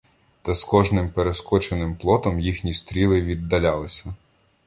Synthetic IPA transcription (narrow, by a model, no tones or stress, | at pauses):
t̪ɐskɔʒnɪmpeɾeskɔt͡ʃenɪmplˠɔt̪ɔmjixnʲist̪ɾʲilˠɪʋʲid̪ːɐlʲalˠɪsʲɐ